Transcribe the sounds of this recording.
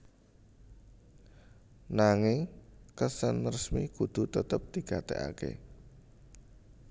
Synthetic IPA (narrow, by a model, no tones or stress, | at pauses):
naŋɪŋkəsənərəsmikud̪̥ṳt̪ət̪əp̚d̪̥i̤ɡ̥at̪ḛʔa̰kḛ